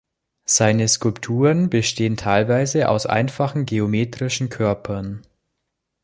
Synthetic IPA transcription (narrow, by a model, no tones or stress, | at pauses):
z̥aɪnəskʊlptʰuːʁənbəʃteːəntʰaɪlvaɪzəʔa̰ʊsʔa̰ɪnfaχn̩ɡeomeːtʁ̥ɪʃn̩kʰœɐpʰɐn